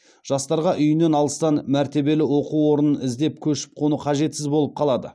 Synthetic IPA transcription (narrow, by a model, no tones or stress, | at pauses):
ʒ̥ɑst̪ɑɾʁɑʔʏjɪne̞nɑlˠəst̪ɑnmæɾt̪e̞be̞lɪwo̞quwo̞ɾənənɪzd̪e̞pkʲʰɵʃɪ̥p̚qʰonəqʰɑʒe̞t̪sɪzbolˠəp̚qʰɑlˠɑd̪ə̰